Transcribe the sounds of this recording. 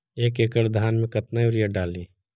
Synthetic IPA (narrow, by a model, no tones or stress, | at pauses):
eːkeːkəɾd̪ʱaːnmẽkɐt̪naioɾjaɖaːliː